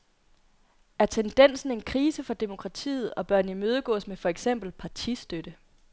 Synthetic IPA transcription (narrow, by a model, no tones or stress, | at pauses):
æɐt͡sʰend̥en̰sn̩e̝nkʰʁiːsəfɒ̽d̥e̝mo̝kʰʁɑ̈t͡sʰḭːð̞̩ˠɒ̽b̥ɶɐ̰nimøːð̞ˠəɡ̥ɔ̰̽ːsmefɒ̽eɡ̥sem̰b̥l̩pʰɑ̈t͡sʰisd̥ød̥ə